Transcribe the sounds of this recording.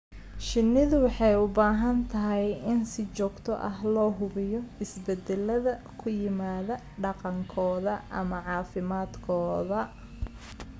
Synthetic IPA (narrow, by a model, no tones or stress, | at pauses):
ʃɪnːɪðʊwɑħɑjʊbaːɦɐnt̪ʰɐɦɛjɪnsɪt͡ʃɔːɡt̪ʰɔʔɐɦlɔːɦʊβɪjɔɪsbɛd̪ɛlɐðɐ | kʰʊjɪmaːðɐ | ɖɑqɑŋkʰɔːðɐʔɐ̰mɐʕɑːfɪmaːd̪kʰɔːðɐ